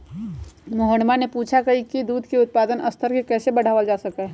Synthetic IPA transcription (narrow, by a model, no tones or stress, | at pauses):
moɦənmanepuːt͡ʃʰakɐɦikid̪uːd̪ʱkeʊt̪̚paːd̪ənɐst̪ʰəɾkekɛːsebɐɽ̤ʱaːʋəld͡ʒaːsɐka